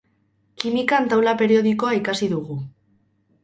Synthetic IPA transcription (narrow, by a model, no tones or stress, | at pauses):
kimikant̪awlape̞ɾio̞ðiko̞aikasiðuɣu